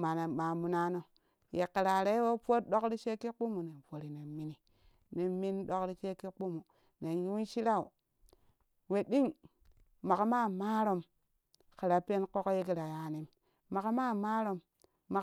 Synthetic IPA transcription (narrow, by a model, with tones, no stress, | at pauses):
ma˨na˨ma˨mu˨na˦no˦ | je˨ki˨ɾa˨ɾe˦wo˦po˦t̚ɗo˦kɾi˦t͡ʃe˦ki˦k͡pu˦mu˨ne˨n˨po˨ɾi˨ne˨mi˦ni˨ | ne˨mi˦n˦ɗo˦kɾi˦t͡ʃe˦ki˦k͡pu˦mu˨ | ne˨nju˦nʃi˦ɾa˦ṵ˨ | we˨ɗi˦ŋ | ma˨kma˦˨ma˦ɾo˦m | ki˨ɾa˨pe˦nko˦kje˦ki˦ɾa˨ja˨ni˦mː | a˨ka˦ma˦˨ma˦ɾo˦m | ma˨